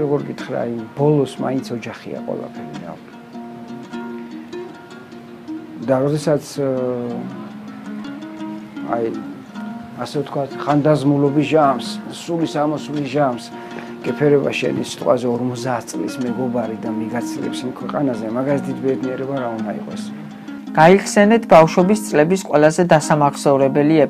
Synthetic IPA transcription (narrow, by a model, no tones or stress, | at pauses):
ɾɔɡɔɾɡit̪ʰχɾa̰ːjbɔlˠɔsma̰int̪sʰɔd͡ʒaχḭa̰qʼwɛ̰lˠa̰pʰɛɾiɾa̰ | d̪aɾɔd̪ɛsat̪sʰ | a̰j | asɛvt̪ʰkʰwat̪ʰχand̪azmulɔbisʒamssulisamɔsulisʒams | ɡ̥ɛpʰɛɾɛba̰ʃɛ̰nisi̥t̪ʼqʼwazɛɔɾmɔt̪zd̪aːt̪ʰt̪sʼlḭsmɛɡɔbaɾid̪amiɡat̪sʰiɛ̰psimkʰwɛqʼanazɛmaɡaliɛt̪ʰit̪bɛd̪niɛɾɛbaɾaund̪aḭqʼɔ̰s | ɡ̥aiχʰsɛnɛt̪ʰbafʃɔbist̪sʼlɛbisqʼwɛlˠazɛd̪asamaχsɔuɾɛbɛliɛ